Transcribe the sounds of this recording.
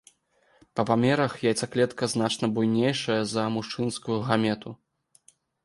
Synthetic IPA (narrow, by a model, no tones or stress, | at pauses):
pɐpamʲɛɾɐxjajtsaklʲɛt̪kɐznat͡ʂnɐbujnʲejʂɐjɐzɐmuʂt͡ʂɨnskujuɣamʲɛt̪ʰu